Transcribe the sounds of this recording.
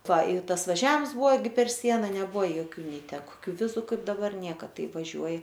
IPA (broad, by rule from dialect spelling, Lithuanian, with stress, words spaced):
ˈʋɐ ɪ ˈtɐs ʋɐˈʒʲɛms ˈbʊʋoː ˈɡʲɪ pʲɛr ˈsʲiɛnɐ nʲɛˈbʊʋoː joːˈkʲuː ˈnʲɛɪ ˈtʲæː koːˈkʲuː ˈʋʲɪzʊ ˈkɐɪp dɐˈbɐr ˈnʲiɛkɐ ˈtɐɪ ʋɐˈʒʲuɔjɪ